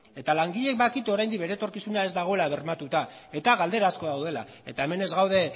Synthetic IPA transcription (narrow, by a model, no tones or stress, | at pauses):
e̞t̪alaŋɡiʎe̞k̚bakit̪o̞ɾajnd̪ik̚be̞ɾet̪o̞ɾkisunae̞zd̪aɣ̞o̞e̞laβ̞e̞ɾmat̪ut̪ae̞t̪aɣald̪e̞ɾasko̞ðawð̞e̞la̰ | e̞t̪ae̞me̞ne̞zɣawðe̞